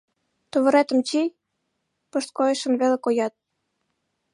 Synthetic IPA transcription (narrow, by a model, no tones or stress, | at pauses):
t̪oβə̆ɾet̪ə̆mt͡ɕij | pɤ̆ʃt̪̚kojə̆ʃə̆nβelekojɑt̪̚